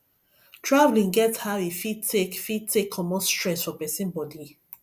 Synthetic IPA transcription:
tʰɹavlĩŋɡɛthaʊifidtʰekfid̚tʰekʰːɔmɔ̃nstɹɛ̃sfɔpɛsĩnbɔdi

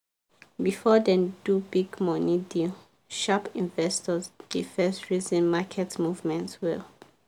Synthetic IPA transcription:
bifɔdɛ̃ndubiɡmɔnidil | ʃapĩnvɛstɔzdifɛstɹizɛ̃nmakʰɛtmuvmɛ̃ntwil

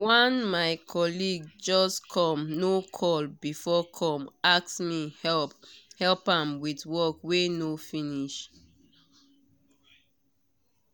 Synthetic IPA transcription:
wãnmaɪkʰɔliɡd͡ʒɔskʰɔ̃mnokʰɔlbifɔkʰɔ̃maksmihɛlphɛlpãmwitwɔkwenofiniʃ

